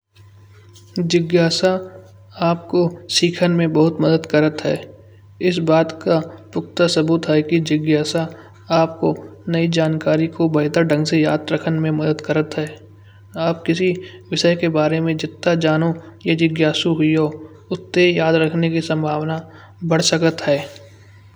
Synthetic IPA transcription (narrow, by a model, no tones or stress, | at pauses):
d͡ʒɪɡjaːsa | aːp̚kosiːkʰənmẽbɐɦʊt̪məd̪əd̪kəɾət̪ɦɛ̰ː | ɪs̬baːt̪kapʊk̚t̪asɐbuːt̪ɦɛkid͡ʒɪɡjaːsa | aːp̚konɐid͡ʒaːnkaːɾikobɐɪd̪əɖə̃ŋɡsejaːd̪ɾəkʰənmẽmɐd̪əd̪kəɾət̪ɦɛː | aːp̚kɪsiʋɪʃəjkebaːɾemẽd͡ʒɪt̪ːad͡ʒaːnojed͡ʒɪɡjaːsuɦʊioː | ʊt̪ːejaːd̪ɾəkʰnekisə̃mbʱaːʋna | bɐɽ̤səkət̪ɦɛː